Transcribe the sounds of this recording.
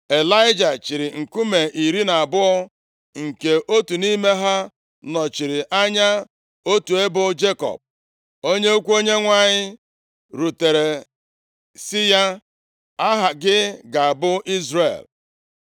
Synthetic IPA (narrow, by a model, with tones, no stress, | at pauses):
e˨la˦ɪ˦d͡ʒa˨t͡ʃi˨ɾɪ˨ŋ̩˨ku˦me˨ʔi˨ɾi˦na˨a˨bʊ˦ɔ˦ | ŋ̩˨ke˨ʔo˦tu˨ni˦me˦ɦa˦ | nɔ˨t͡ʃi˨ɾɪ˨ʔa˦ɲa˦ | o˦tu˨e˦bʊ˦d͡ʒe˦kɔ̰˨p̚ | o˦ɲe˦o˦kʷu˦o˦ɲe˦ŋʷa˦˨ɲɪ˦ | ɾu˨te˨ɾe˨ | sɪ˦ja˦ | a˦ɦa˨ɡɪ˦ɡa˨a˨bʊ˦i˦zrḛ˨l